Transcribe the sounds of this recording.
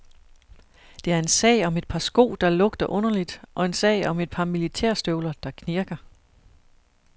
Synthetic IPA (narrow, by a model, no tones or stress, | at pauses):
d̥e̝æɐe̝nsɛ̰ɪ̰ɒ̽me̝d̥̚pʰɑ̈sɡ̥o̝̰ːd̥ɑ̈lɔ̽ɡ̥d̥ɐʔɔ̽nɐlid̥ʔɒ̽e̝nsɛ̰ɪ̰ɒ̽me̝d̥̚pʰɑ̈milit͡sʰɛɐ̰sd̥øʊlɐd̥ɑ̈kʰniɐɡ̥ɐ